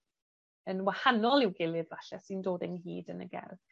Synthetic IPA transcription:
ənwahanɔlˠɪwɡɪlˠɨðvaɬɛsɨndoːdɛnɦḭːdənəɡɛ̰rð

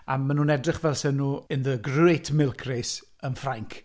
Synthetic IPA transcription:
amːanunɛdrɪχvɛlˠsɛnːuːɪnðəɡrejtʰmɪlˠkʰres | ənfraŋkʰ

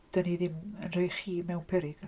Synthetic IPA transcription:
d̥əniðɪmənr̥ejχiːmɛwnpʰɛɾɪɡ̥

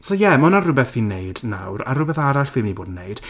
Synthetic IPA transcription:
sɔjɛmɔnarʊbɛθvinejdna̰wɾa̰rʊbɛθaɾaɬv̥ɪmniboːdnːejd̥

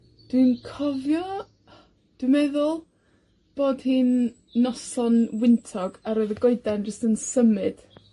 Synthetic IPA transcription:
d̥winkʰɔvjɔ | d̥wimɛðʊlˠ | b̥oːd̥hiːnː | ɔsɔnwɪntʰɔɡaɾoɨðəɡɔɨdand͡ʒəstənsəmɨd̥

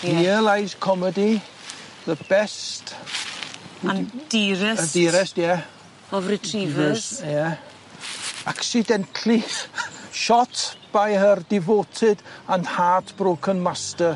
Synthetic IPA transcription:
iəlˠajskʰɔmədi | ðəb̥ɛst | and̥iɾɛədiːɾɛstjɛ | ɔvɾitʰrivɛsjɛ | aksɪdɛntʰliχʃɔtʰb̥ajhərdɪvoːtʰɪd̥anhaːtʰb̥roːkʰənmastə

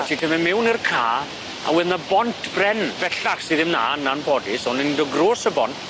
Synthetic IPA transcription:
tʰitʰəmɛmɪwnirkʰaː | a̰wɛðnabɔntʰb̥rɛnvɛɬaχsiðɪmna̰ːnanpʰɔdɪsɔnɛnidɔɡroːsəbɔnt

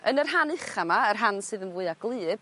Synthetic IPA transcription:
ənərɦanɨχamaərɦansɨːðənvuɨaɡlˠɨːb̥̚

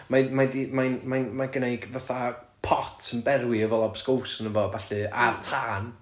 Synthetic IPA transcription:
majmadimajnmajnmaɡənejɡvaθa | pʰɔtʰənbɛrwiəvɔlˠabskowsənəvɔbaɬɨartʰraːn

